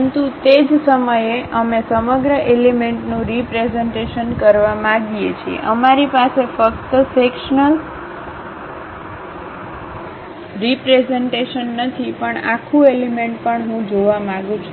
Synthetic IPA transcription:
ənt̪ut̪ed͡ʒsəməjeʔəmesəməɡɾəʔelemeɳʈnũɾipɾezeɳʈeʃənkəɾʋamãɡijet͡ʃʰiḛʔəmaɾipasefəkt̪əsekʃnəl | ɾipɾezeɳʈeʃənːət̪ʰipəɳa̰kʰũelimeɳʈ̚pəɳɦũd͡ʒoʋamãɡũt͡ʃʰu

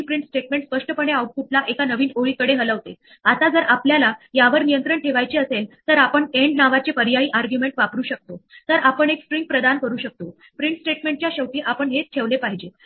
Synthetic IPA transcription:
pɾiɳʈsʈeʈmẽɳʈspəʂʈəpəɳ̃eawʈ̚puʈlaʔekanəʋiːnoɭiːkəɽeɦələʋt̪e | at̪ad͡zəɾapljalajaʋəɾnijənt̪ɾəɳʈʰeʋajt͡ɕiːəselt̪əɾapəɳeɳɖnaʋat͡ɕepəɾjaiːʔaɾɡjumeɳʈʋapɾuːɕək̚t̪ot̪əɾapəɳekspɾiŋɡ̚pɾəd̪ankəɾuːɕək̚t̪o | pɾiɳʈsʈeʈmẽɳʈt͡ɕjaɕəwʈiːʔapəɳɦet͡sʈʰeʋlepaɦid͡ʑe

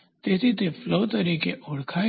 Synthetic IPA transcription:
t̪et̪it̪efloːt̪ɐɾiːkeʔʊɽkʰaː

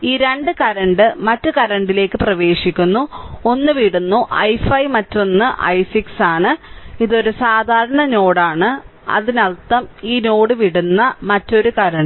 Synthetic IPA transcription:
iːɾe̞ɳɖɨkɐɾɐɳɖɨmɐtːɨkɐɾɐɳɖile̞ːkːɨprɐʋe̞ːʂikʲːunːuo̞nːɨʋiɽunːuʔɐjfɐjmɐtːo̞nːɨʔɐ̰jsiksaːɳɨiðo̞ɾusaːd̪ʱaːɾɐɳɐno̞ːɽaːɳɨ | ɐ̰ðinɐlt̪ːɐmiːno̞ːɽɨʋiɽunːɐmɐtːo̞ɾukɐɾɐɳɖ

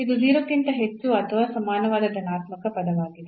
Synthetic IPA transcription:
id̪ud͡ʒiːɾɐt̪ːint̪ɐɦet͡ʃːuɐt̪ʰɐʋaːsɐmaːnɐʋaːd̪ɐd̪ɐnaːt̪mɐkɐpɐd̪ɐʋaːɡid̪e

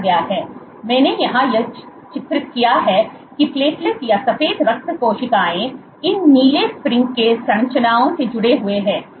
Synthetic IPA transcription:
ɡɐjaɦɛː | mɛ̃ːnejɐɦãjɐ | t͡ʃɪt̪ɾɪt̪kijaɦɛː | kipleːslɪsjasɐfeːd̪ɾɐk̚t̪koːʃɪk̪aːẽ | ɪnːiːlespɾɪ̃ŋkːesɐ̃nt͡ʃənaːõsed͡ʒʊɽeɦʊeɦɛ̃ː

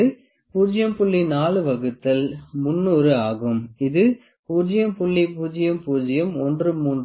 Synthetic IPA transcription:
ɯ | puːd͡ʒɪjɐmpʊɭːinaːlɯʋɐɣɯt̪ːɐlmʊnːuːɾɯaːɣɯmɪðɯ | puːd͡ʒɪjɐmpʊɭːipuːd͡ʒɪjɐmpuːd͡ʒɐjɐmɔndrɯmuːn

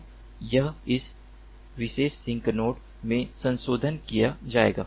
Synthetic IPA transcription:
jɐɪs | ʋɪʃeːʃːɪ̃ŋknoːʈ | mẽsɐ̃nsoːd̪ʱənkijad͡ʒaːḛːɡa̰ː

